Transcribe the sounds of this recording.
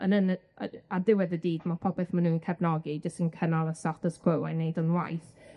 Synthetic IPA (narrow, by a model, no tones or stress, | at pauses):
ənənəə̰adɪwɛðədiːdmapʰɔpɛθmanuːnkʰɛbnɔɡid͡ʒəstənkʰənalˠasɔtəskʰwowanːejdɔnwa̰jθ